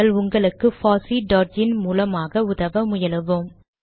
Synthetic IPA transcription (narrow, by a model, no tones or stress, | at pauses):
ɐɭʊŋɡɐɭɯkːɯfaːsiɖoːɾd͡ʒɪnmuːlɐmaːɣɐʊðɐʋɐmʊjɐlɯʋɯm